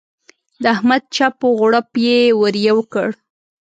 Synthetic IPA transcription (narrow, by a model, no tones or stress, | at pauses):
d̪əahmad̪̚t͡ʃapoɣɽəpjewəɾjawəkəɽ